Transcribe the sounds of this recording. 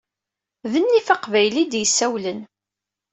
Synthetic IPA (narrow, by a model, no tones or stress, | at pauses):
ðənːifaqvæjlid̪jəsːæwlən